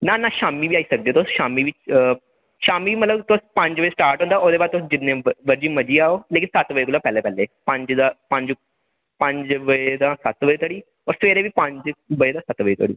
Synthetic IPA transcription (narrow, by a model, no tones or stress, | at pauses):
nanaɕamiːbʱiːaisəɡ̚d̪et̪oɕamiːbiː | ɕamiːməlat̪opãɲt͡ɕʋəjesʈaɾʈʋõnt̪aʔod̪ebat̪od͡ʑinnːeʋəɾd͡ʑiːməd͡ʑʱiːaolekiːnsat̪ʋəjekulapɛlepɛlːepãɲd͡ʑd̪apãɲd͡ʑ | pãɲd͡ʑʋəjed̪ãsat̪ʋəjet̪əɽiː | ʋəɾsʋeɾebʱiːpãɲd͡ʑʋəjed̪ãsat̪ʋəjet̪əɽḭː